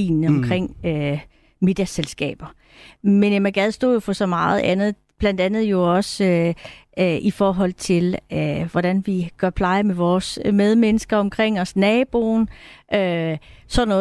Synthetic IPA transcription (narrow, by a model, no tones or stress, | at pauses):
ḭːnɒ̽mkʰʁeŋ̰ø | me̝d̥jɐselsɡ̥ɛ̰ːb̥ɐ | menemæɡ̥æð̞ˠsd̥o̰ːjofʰɒ̽sɒ̽mɑ̈ːð̞̩ˠænð̩ˠ | b̥læn̰d̥ænð̩ˠjo̝ɒ̽sø | ʔifɒːɦɒ̽l̰t͡sʰe̝løʋɒɾ̥ænʋiɡ̥ɶɐpʰlɑ̈ɪɐmeʋɒːsmeð̞ˠmenəsɡ̥ɐɒ̽mkʰʁeŋ̰ɒ̽snɛːb̥o̝ːnʔøsɒ̽dnɔ̽ː